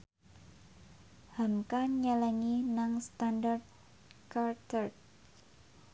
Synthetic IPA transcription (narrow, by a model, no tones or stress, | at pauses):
hamkaɲəlɛŋinaŋst̪andart̪̚ | kart̪ərt̪̚